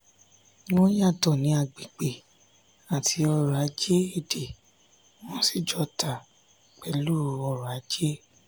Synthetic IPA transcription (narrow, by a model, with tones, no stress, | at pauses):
w̃ɔ̃˦ja˦˨tɔ˨nĩ˨˦a˦˨ɡ͡bi˨k͡pe˨ | a˨tʰi˨˧˦ɔ˧ɾɔ˨a˨˦d͡ʒe˦e˦˨de˨ | w̃ɔ̃˦si˦˨d͡ʒɔ˧tʰa˨ | k͡pɛ˨˧lu˦˧ɔ˧ɾɔ˨a˨˦d͡ʒe˦